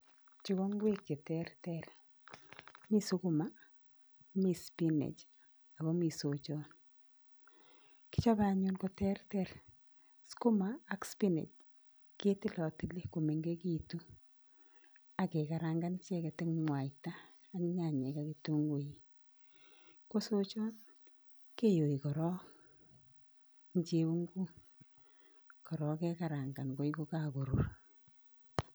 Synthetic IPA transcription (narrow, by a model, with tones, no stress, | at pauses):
t͡ʃi˦ko˦ŋɡwe˦kːe˨tɛ˦rtɛ˨r | mi˦su˦ku˦ma˦ | mi˨spi˦nḛ˨t͡ʃ | a˨kɔ˦mi˨so˨t͡ʃɔ˦n | ki̥˦t͡ʃa˦ba˦ɲu˦nko˨tɛ˦rtɛ˦r | sku˦maː˦kspi˦nḛ˨t͡ʃ | ke˦ti˦lɔ˨ti˨li˦ko˨me˨ŋɡe˦ki˦tu˦ | a˨ke˨ka˨ɾaŋɡa˦nt͡ʃɛ˦kɛ˨tɪ˦ŋŋwa˨itaː˦ | n˦ɲa˨ɲɛ˨ka˦ki˨tu˦ŋɡu˨˦ji˨ | ko˦so˦t͡ʃɔ˦n | ke˦jo˨i˨kɔ˨ɾɔ˦ | ɲ˦t͡ʃe˦u˦ŋɡu˦ | kɔ˨ɾɔ˦kɛ˦ka˨ɾa˨ŋɡa˨nko˨˦iku˦ka˨ko˨ɾu˨r